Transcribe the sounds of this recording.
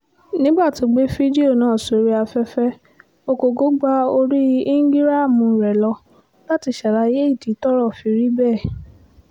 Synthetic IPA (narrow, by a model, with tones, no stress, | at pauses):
nĩ˦ba˦˨ti˨˧˦ɡ͡be˦fi˦di˦o˦˨nãː˨˦˨so˨˦ɾi˦a˧fɛ˦fɛ˦ | o˧ko˨ɡo˦ɡ͡ba˦o˧ɾi˦i˦ŋ˦ɡi˦ɾa˦˨mũ˧˨ɾɛ˨lɔ˧ | la˦ti˧ʃa˨ɾa˧˦je˦i˦˨ti˨˦tɔ˦ɾɔ˦˨fi˨˧ɾi˦bɛ˦˨